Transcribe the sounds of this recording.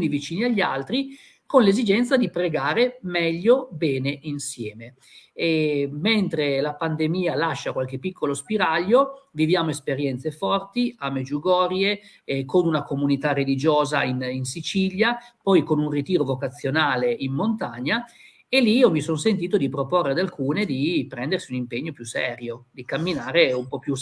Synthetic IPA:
nivit͡ʃiːniaʎːalt̪ɾi | konlezid͡ʒɛnt̪sad̪ipɾeɡaːɾemɛʎːobɛːneʔinsjɛːme | ɛment̪ɾelapand̪emiːalaʃːakwalk̟epːikːolospiɾaʎːovivjaːmoespeɾjɛnt̪sefɔrt̪iamed͡ʒuɡɔːɾje | konunakomunit̪arelid͡ʒoːzaininsit͡ʃiʎjapɔjkonunrit̪iːɾovokat̪sːjonaːleʔimːont̪aɲːa | eliiːomisonsent̪̬iːt̪od̪ipɾoporːead̪alkuːned̪ipɾɛnd̪ersiunimpeɲːopjusɛːɾjod̪ikamːinaːɾeumpɔpːju

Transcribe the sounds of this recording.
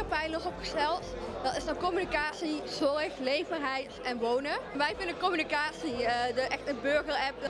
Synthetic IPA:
apɛjnɔχɔpχə̥stɛlˠtdɑnɪsdəkɔmynikaːtsiz̥ɔrəxlejvərɦɛjtɛnʋownənʋɛjvɪndəkɔmynikaːtsiədəʔɛxtənbøɹɣərɛp̚

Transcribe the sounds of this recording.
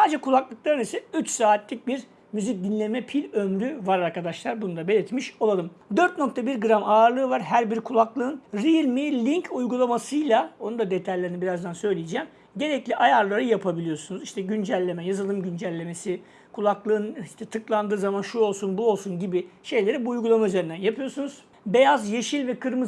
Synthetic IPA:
saːd͡ʒɛkʰulˠaklˠɯk̚lˠaɾɯnisɛyt͡ʃsaːt̪ʰlʲic̚biɾ | myzic̚d̪inlʲe̞mɛpʰilʲømɾyvaɾaɾkad̪aʃlˠaɾbunud̪abe̞lʲɛt̪miʃo̞lˠalɯmd̪øɾt̪no̞k̚t̪ʰabiɾɡɯɾamaːɾlˠɯːvaɾɦæɾbiɾkʰulˠaklˠɯːnɾiilmiːlʲiɲcʰujɡulˠamasɯjlˠaonund̪ad̪e̞t̪ʰajlʲe̞ɾinibiɾazd̪ansø̞jlʲijid͡ʒɛːm | ɟe̞ɾɛclʲiʔajaɾlˠaɾɯjapʰabilʲijo̞sunuziʃt̪ʰɛɟynd͡ʒælʲːe̞mɛjazɯlˠɯmɟynd͡ʒælʲːe̞me̞si | kʰulˠaklˠɯɯniʃt̪ʰɛt̪ʰɯklˠand̪ɯːzamanʃuo̞lˠsunbuo̞lˠsunɟibiɪʃe̞jlʲe̞ɾibuːjɡulˠamayze̞ɾind̪ænjapʰɯjo̞sunuz̥ | bejazjeʃilʲvɛkʰɯɾmɯ

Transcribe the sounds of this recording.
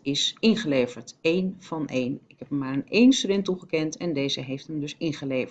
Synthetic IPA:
ɪsɪnχəlejvəɹtejnv̥ɑnʔejnɪkɦɛpəmːaːɹənejnstydɛntuχəkɛntʰɛndejzəɦejftəmdɵsɪnχəlejvə

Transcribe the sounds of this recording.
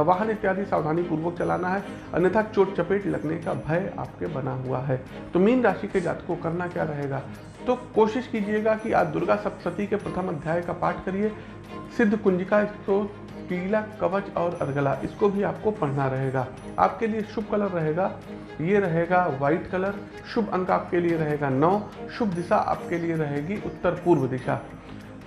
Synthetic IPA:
ʋaɦənɪt̪ːjaːd̪isaːʋd̪ʱaːnipuːɾʋək̚t͡ʃɐla̰ːnaɦɛ | ɐ̰njət̪ʰat͡ʃoːʈ̚t͡ʃɐpeːʈlɐɡnekabʱɐja̰ːp̚kebɐnaɦua̰ɦɛː | t̪omiːnɾaːʃiked͡ʒa̰ːt̪kokɐɾnakja̰ːɾɐɦeːɡaː | t̪okoːʃɪʃkiːd͡ʒieɡakia̰ːd̪ʊɾɡasɐsɐt̪ikepɾɐt̪ʰəmɐd̪ʱjaːjkapaːɾʈʰkɐɾie | sɪd̪ʱːkʊ̃nd͡ʒɪkaɪsko | kiːlakɐʋət͡ʃɔːɾɐɾɡəlaʔɪskobʱiaːp̚kopɐɽ̤naɾɐɦeːɡaː | a̰ːp̚kelieʃʊb̚ʱkɐləɾːɐɦeːɡaː | jeɾɐɦeːɡaʋaːɪʈkɐləɾ | ʃʊbʱɐ̃ŋkaːp̚kelieɾɐɦeːɡanɔːʃʊbd̪ɪsaʔa̰ːp̚kelieɾɐɦeːɡiʔʊt̪ːəɾpuːɾʋəd̪ɪʃa̰ː

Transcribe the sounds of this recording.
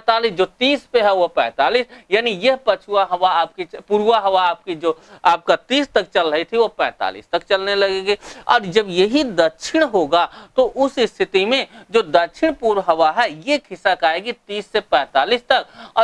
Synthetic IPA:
t̪aːlisd͡ʒoːt̪iːspeɦɛʋoɦpɛ̃ːt̪aːliːsjaːnijɐɦpət͡ʃʰuaɦɐʋaaːp̚kepuɾuaɦɐʋaaːp̚kid͡ʒoːaːp̚kat̪iːst̪ɐk̚t͡ʃəlɾəɦit̪ʰiʋopɛ̃ːt̪a̰ːlḭːst̪ɐkt͡ʃɐlnelɐɡeɡeɔ̰ːɾd͡ʒɐbjɐɦid̪ɐtʃʰɪɽ̃ɦoːɡat̪oʔʊsɪst̪ʰɪt̪imẽd͡ʒoːd̪ətt͡ʃʰɪɽ̃puːɾɦɐʋaɦɛjekʰɪsəkaːeɡit̪iːsːepɛ̃ːt̪aːliːst̪ɐkɔː

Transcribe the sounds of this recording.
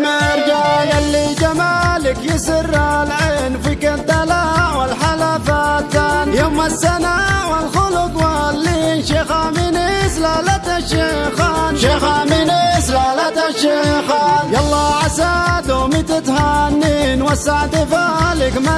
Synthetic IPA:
maɾd͡ʒajalːid͡ʒamalɪkjɪsɪɾːalʕenfikad̪alaʕwalħalafat̪ːanjamasːanawalxʊlʊkwalːinʃexamɪnislaːlat̪aʃexanʃexamɪnislaːlat̪aʃexaljɑlˤːɑʕasad̪omɪt̪ɪt̪hanːinwasaʕd̪ɪfalɪkma

